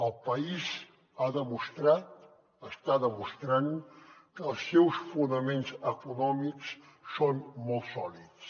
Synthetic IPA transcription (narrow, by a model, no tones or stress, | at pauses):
əlˠpəiz | aðəmust̪ɾat̪ | əst̪aðəmust̪ɾankəːlˠsːɛwsfunəmenzəkunɔmiks | sonmolˠt̪sɔlit̪s